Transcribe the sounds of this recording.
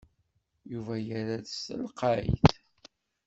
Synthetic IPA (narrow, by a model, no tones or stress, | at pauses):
juvæjəɾæðsə̰lqɑḭθ